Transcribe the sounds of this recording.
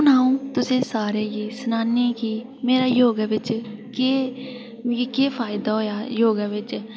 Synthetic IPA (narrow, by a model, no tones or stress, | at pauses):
ʊnaːõt̪ʊsẽsaːɾejeːsnaːnikiː | meːɾajoːɡʋɪt͡ʃke | jekeːpʰaːɪd̪aɦoːjaːjoːɡəʋɪt͡ʃ